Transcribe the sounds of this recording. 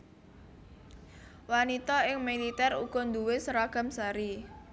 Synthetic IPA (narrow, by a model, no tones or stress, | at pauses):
wanit̪ɔɪŋmilit̪ɛruɡ̥ɔ̤nd̪uwesɾaɡ̥a̤msaɾi